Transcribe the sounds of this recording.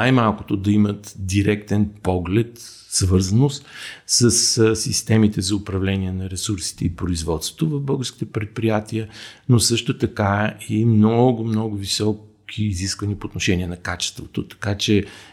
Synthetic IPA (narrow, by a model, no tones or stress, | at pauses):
ajmalˠkot̪od̪ɐimət̪d̪iɾɛkt̪ɛnpɔɡlɛt̪ | svɤɾzɐnost̪səssist̪ɛmit̪ɛzɐʊpɾɐvlɛnʲiɛnɐɾɛsuɾsi̥t̪ɛipɾoizvɔt̪st̪vo̥t̪ovɐvbɤlˠɡəɾski̥t̪ɛpɾɛt̪̚pɾijat̪iənosɤʃt̪ot̪ɐkaimnɔɡʊmnɔɡʊvisɔkʰiːziskvɐniəpoːt̪noʃɛnʲiɛnɐkat͡ʃɛ̥st̪vot̪ot̪ɐ̥kat͡ʃɛ